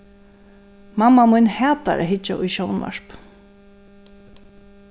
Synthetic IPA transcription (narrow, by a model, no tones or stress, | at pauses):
mamːamʊjnhɛːt̪a̰ɾʔa̰ɦɪt͡ʃːa̰ʔʊjʃɔwnva̰ɹ̥p